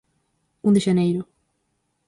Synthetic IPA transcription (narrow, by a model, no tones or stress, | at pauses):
ũd̪ɪʒɐnejɾʊ